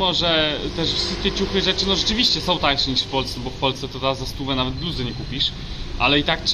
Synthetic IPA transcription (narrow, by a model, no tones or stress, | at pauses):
mɔʐɛt̪ɛʂfsɘt̪ɛt͡ɕuxɘʐɛt͡ʂɘnɔʐɛt͡ʂɘvʲiɕt͡ɕɛsɔ̃w̃t̪ajkʂɛɲiʂfpɔlst̪ɛbɔfpɔlst̪ɛt̪ɔd̪azast̪uvɛnavɛd̪̚bluzɔɲɛkupʲiʂ | ʔa̰lɛit̪ak̚t